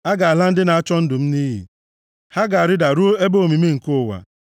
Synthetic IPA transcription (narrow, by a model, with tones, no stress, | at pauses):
a˦ɡa˨a˨la˦n̩˦dɪ˦na˨a˦t͡ʃɔ˦n̩˦dʊ˨m̩˦ni˦ɦḭ˨ | ha˦ɡa˨a˨ɾɪ˦da˨ɾu˦e˦bo˦o˨mi˨me˦ŋ̩˨ko˦˨wa̰˨